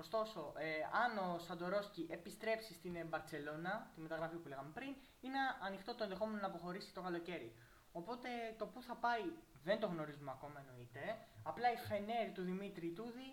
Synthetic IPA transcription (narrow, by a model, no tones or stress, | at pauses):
o̞st̪o̞so̞ʔeɐno̞sɐnd̪o̞ɾo̞sciʔe̞pist̪ɾe̞psist̪inbɐɾse̞lo̞nɐt̪inme̞t̪ɐɣɾɐfipule̞ɣɐme̞pɾin | ineɐnixt̪o̞t̪o̞e̞nðexo̞me̞no̞nɐːpoxo̞ɾisi̥t̪okɐlo̞ce̞ɾḭ | o̞po̞t̪e̞t̪o̞puθɐpɐiðe̞nd̪o̞ɣno̞ɾizumeɐko̞mɐe̞no̞it̪e̞ɐplɐife̞neɾt̪uðimit̪ɾit̪uði